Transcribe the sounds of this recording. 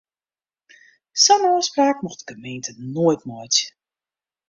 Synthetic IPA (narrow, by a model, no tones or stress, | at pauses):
sɔnɔːspraːk̚muxtəkəmeːntənoəjtmɔjt